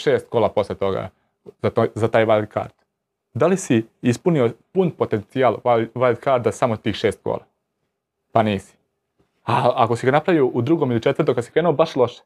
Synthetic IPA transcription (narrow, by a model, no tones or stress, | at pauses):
ʃeːst̪̚koːlapo̞slet̪o̞ɡa̰ | zat̪zat̪aːjʋald̪̚ka̰ɾd̪̥ | d̪alisiispuniopunpo̞t̪ent̪sialˠaʋajd̪kaɾd̪asamot̪iːxʃeːst̪̚ko̰ːla | paniːsi̥ | aakosiɡanapɾaʋioʔud̪ɾuɡomilit͡ʃet̪əɾrt̪okad̪si̥kɾenuobaʃlˠo̞ʃe̥